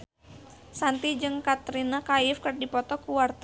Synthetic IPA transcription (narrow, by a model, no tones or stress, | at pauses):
sant̪id͡ʒɨŋkat̪ɾinakaɪfkɨrdipɔt̪ɔkuwart̪